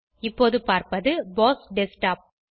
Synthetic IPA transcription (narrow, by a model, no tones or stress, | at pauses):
ɪpːoːðɯpaːɾpɐðɯboːsɖɛsʈaːp̚